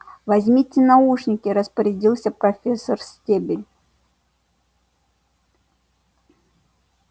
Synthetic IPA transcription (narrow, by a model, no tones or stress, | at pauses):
vɐzʲmʲitʲːɪnɐuʂnʲɪkʲɪɾəspəɾʲɪdʲilˠsʲəpɾɐfʲesːərsʲtʲebʲɪlʲ